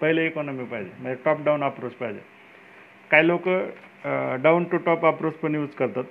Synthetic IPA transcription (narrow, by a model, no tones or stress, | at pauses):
pəɦileekɔnɔmipaɦjd͡ʑḛməɳd͡zeʈɔp̚ɖaunapɾot͡spajd͡ʑḛ | kajilokə | ɖaunʈuʈɔpapɾot͡spəɳjuːt͡skəɾt̪at̪